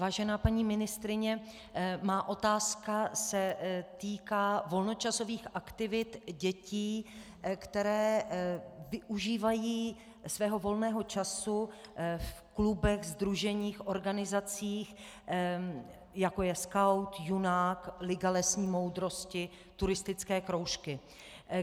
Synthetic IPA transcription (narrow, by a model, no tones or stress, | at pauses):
vaːʒɛnaːpaɲiːmɪnɪst̪ɾɪɲɛ | maːʔo̞t̪aːskasɛt̪iːkaːvo̞lno̞t͡ʃaso̞viːxʔakt̪ɪvɪt̪ɟɛciː | kt̪ɛɾɛː | vɪʔuʒiːvajiː | svɛːɦo̞vo̞lnɛːɦo̞t͡ʃasufklubɛxzd̪ɾuʒɛɲiːxʔo̞ɾɡanɪzat͡siːx | jako̞jɛskawt̪junaːklɪɡalɛsɲiːmo̞wd̪ɾo̞scɪ | t̪uɾɪst̪ɪt͡skɛːkɾo̞wʃkɪ